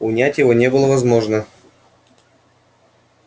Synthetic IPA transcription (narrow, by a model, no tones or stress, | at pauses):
ʊnʲætʲjɪvo̞nʲebɨlˠəvɐzmo̞ʐnə